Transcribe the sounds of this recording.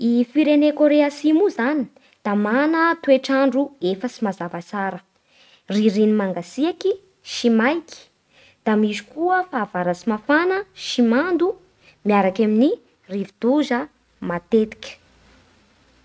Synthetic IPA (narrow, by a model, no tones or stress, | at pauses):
ifiɾenekoɾeasimuzani | d̪̥amanət̪ueʈ͡ʂaɳɖ͡ʐuefəsimazavat͡saɾə | riɾinimaŋɡasiaki | ʃimajkʲi̥ | d̪̥amizu̥kuəfaːvaɾasimafanəʃimand̪u | miaɾakamini | rivid̪̥uzə | mat̪et̪i̥kʲə̥